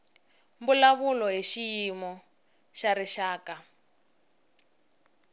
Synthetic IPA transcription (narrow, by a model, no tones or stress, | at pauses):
mbulaβulɔɦiʃijimɔ | ʃaɾiʃaːka